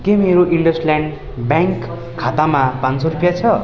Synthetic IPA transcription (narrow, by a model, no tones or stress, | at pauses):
kemeɾoʔiɳɖʌsljaɳɖ | bjaŋkʰː | at̪amapãnt͡sʌɾupjat͡sʰʌ